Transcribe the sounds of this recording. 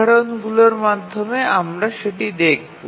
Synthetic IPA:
aɽonɡuloɾmad̪ʱːomeamɾaʃeʈid̪ek̚ʰo

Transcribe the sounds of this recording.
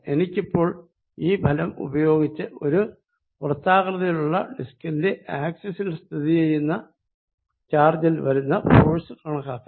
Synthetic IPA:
e̞nikʲːipːo̞ːɭ | iːbʱɐlɐmṵbɐjo̞ːɡit͡ɕːɨo̞ɾu | urɐt̪ːaːɣrɐðɐjiluɭːɐ̰ɖiskɐnde̞ʔaːksesilst̪ʰiðijejunːɐ | t͡ɕaːrd͡ʑɐlʋɐɾunːɐfoːɻsɨkɐɳɐkːaːkː

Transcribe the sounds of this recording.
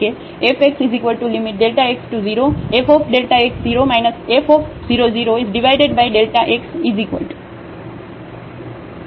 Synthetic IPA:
e | efeksizikʋəlʈulimiʈ̚ɖelʈaeksʈuziɾoefopɖelʈaeksziɾomaɪnəsefof | ziɾoziɾoizɖiʋaɪɖeɖbajɖelʈaʔeksizikʋə̰lʈ

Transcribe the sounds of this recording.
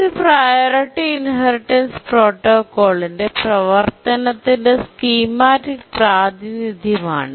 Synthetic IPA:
ɨprajoːɾɐʈːiːnɦɐɾiʈːɐnspro̞ːʈːoːkːo̞ːɭinde̞prɐʋɐrt̪ɐnɐt̪ːindeskiːmaːɾipraːd̪inid̪ʱjɐma̰ːɳɨ

